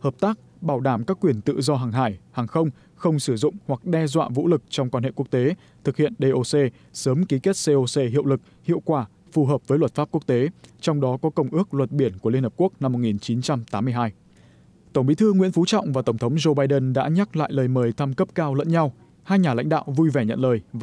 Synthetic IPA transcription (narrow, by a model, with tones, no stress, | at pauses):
həː˨˩p̚t̪aː˦˥k̚ | ɓaː˧˩wɗaː˧˩mkaː˦˥kːwi˧˩ənt̪ɨ̰˧˨zɔ˧ɦaː˨˩ŋɦa̰ː˧˩jhaː˨˩ŋxə˧wŋ͡m | xə˧wŋ͡msɨ˧˩zʊ̰˧˨ŋ͡mhwa˨˩k̚ɗɛ˧zwa̰ː˧˨vṵ˧˥lɨ˨˩k̚t͡ɕɔ˧wŋ͡mkwaː˧nhḛ˧˨ku˦˥ək̚t̪e˨˦ | t̪ʰɨ˨˩k̚hḭ˧˨ənɗe˧ʔo˧se˧ | səː˨˦mki˨˦ke˦˥t̚se˧ʔo˧se˧ɦḭ˧˨əwlɨ˨˩k̚hḭ˧˨əwkwaː˧˩ | fu˨˩ɦəː˨˩p̚vəː˨˦jlwə˨˩t̚faː˦˥p̚ku˦˥ək̚t̪e˨˦t͡ɕɔ˧wŋ͡mɗɔ˨˦kɔ˨˦kə˧˩wŋ͡mʔɨ˦˥ək̚lwə˨˩t̚ɓi˧˩ənku˧˩əi˧nhəː˨˩p̚ku˦˥ək̚na˧mːo˨˩t̚ŋi˨˩nt͡ɕi˨˦nt͡ɕa˧mt̪aː˨˦mːɨ˧əjɦaː˧j | t̪ə˧˩ŋ͡mɓḭ˧˥t̪ʰɨ˧ŋwḭ˧˥ənfu˨˦t͡ɕɔ̰˧˨wŋ͡mvaː˨˩t̪ə˧˩ŋ͡mt̪ʰə˨˦wŋ͡mzo˧ɓaː˧jɗə˧nɗa̰ː˧˥ɲa˦˥k̚la̰ː˧˨jləː˨˩jməː˨˩jt̪ʰa˧mkə˦˥p̚kaː˧wlə̰˧˥nɲa˧w | haː˧jɲaː˨˩la̰˧˥ŋ̟ɗa̰ː˧˨wvu˧jvɛ˧˩ɲə̰˧˨nləː˨˩jv